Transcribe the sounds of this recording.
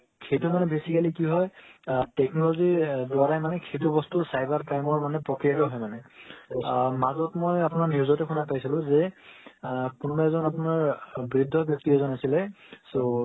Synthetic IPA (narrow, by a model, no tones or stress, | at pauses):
kʰejtumanɛbesikalikiɦɔjtɛk̚nɔlɔzidwaɹajmanɛkʰejtubɔstusajbaɹpɹajmɔɹmanɛpɹɔkɹijatɔɦɔjmanɛ | mazɔtmojapʊnaɹnuzɔtɛkʰunapajsilʊ̃zɛ | kunbaɛzɔnapʊnaɹbɹidʱːɔbjɔk̚tiɛzɔnasilɛso